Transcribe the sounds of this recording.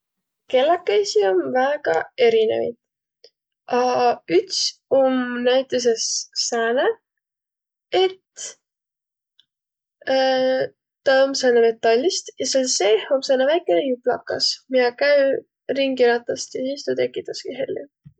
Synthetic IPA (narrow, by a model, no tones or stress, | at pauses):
ke̞lːɑkːejsionvæɡ̥ɑe̞ɾinḛvɑ̰jt̪ | ʔɑyt̪somnæjt̪ːˑes̬esːæːne | et̪ | t̪ɑomsɑːneme̞t̪ːˑɑlʲːist̪jɑselseːhomsɑnːevæjkːˑenejuplɑ̰kːɑ̰smiɑkæj | riŋɡiɾɑt̪ˑːɑst̪jɑsist̪ut̪e̞kːˑit̪ːˑɑskiɦelʲːḭ